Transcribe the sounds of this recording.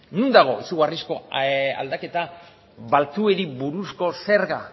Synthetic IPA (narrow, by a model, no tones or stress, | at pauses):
nund̪aɣ̞o̞isuɣarisko̞a̰ld̪ake̞t̪a | βalt͡sue̞ɾiβuɾusko̞se̞ɾɣa